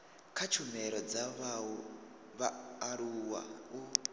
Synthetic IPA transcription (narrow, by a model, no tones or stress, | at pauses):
kʰat͡ʃʰumɛɾɔd͡zaβaɔ | βaɾuwa̰u